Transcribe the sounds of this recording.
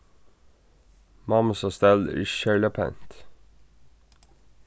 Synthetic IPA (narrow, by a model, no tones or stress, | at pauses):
mɑməsɑst̪ɛlḭʃɛɭəpʰɛ̰nt̪